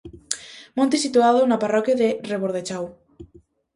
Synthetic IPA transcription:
mõnt̪esit̪uaðʊnaparɔkjaðereβoɾðet͡ʃaw

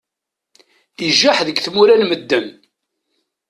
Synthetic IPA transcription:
iʒːaħðəɡθmuɾænməd̪ːən

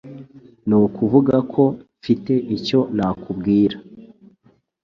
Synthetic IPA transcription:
nuːkuvuɡakʰo̞ | fite̞ʔico̞naːkubɡiːɾa

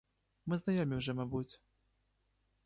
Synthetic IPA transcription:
mɨznajɔmʲiwʐɛmabut͡sʲ

